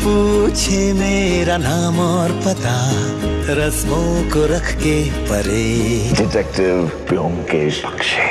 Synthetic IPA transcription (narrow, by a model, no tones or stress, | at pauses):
put͡ʃʰemeːɾanaːmɔːɾpɐt̪a | ɾɐsmokoɾɐkʰkepɐɾeːɖɪʈɛk̚ʈɪʋpjoːmked͡ʒpɐ̥kʃe